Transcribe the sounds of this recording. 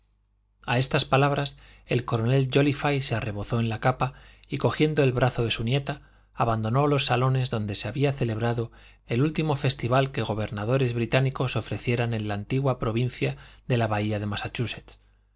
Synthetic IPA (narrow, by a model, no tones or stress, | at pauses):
ae̞st̪aspalaβ̞ɾas | e̞lko̞ɾo̞ne̞ld͡ʒo̞lifajseare̞βo̞θo̞e̞nlakapaiko̞xje̞nd̪o̞e̞lβɾaθo̞ðe̞sunje̞t̪aː | βand̪o̞no̞lo̞sːalo̞ne̞zðo̞nd̪e̞seaβiaθe̞le̞β̞ɾaðo̞ | elult̪imo̞fe̞st̪iβ̞alke̞ɣ̞o̞β̞e̞ɾnaðo̞ɾe̞zβɾit̪aniko̞so̞fɾe̞θje̞ɾanẽ̞nlaːnt̪iɣwapɾo̞βin̟θjaðelaβaiaðe̞masat͡ʃuse̞t̪t͡s